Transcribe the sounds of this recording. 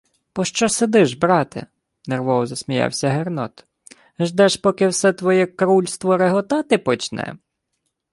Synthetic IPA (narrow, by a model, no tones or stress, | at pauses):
pɔʃt͡ʃɔsed̪ɪʒbɾɑt̪ɪ̰ | nerʋɔwɔzɐsmʲijɑ̰wsʲɐɦernɔt̪ | ʒd̪ɛʃpɔkɪwsɛt̪ʋɔjɛkɾulʲst̪ʋɔɾeɦɔt̪ɑt̪ɪpɔt͡ʃnɛ̰